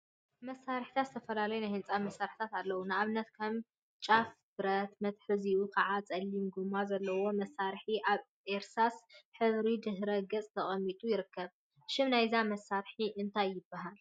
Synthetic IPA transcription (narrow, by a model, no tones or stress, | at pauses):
mɐsːaɾħi̥t̪ʰat̪zɨt̪ʰɐfɐlalɐjunajhɨnt͡sʼamɐsːaɾħit̪ʰat̪alːɐwunɨʔaβɨnɐt̪kʰɐm | t͡ʃʼaf | bɨɾɐt̪mɐt̪ħɨziukʰɐʕat͡sʼɐlːimɡumːazɐlːɐwo̞mɐsːaɾħiʔaβ | ʔeɾsasħɨβɾid̪ɨhɾɐɡɐt͡sʼt̪ʰɐχʼɐmːit̪ʼujɪɾɨkʰːɐβ | ʃɪmnajzamɐsːaɾħiʔɨnt̪ʰajːɪbːaɦal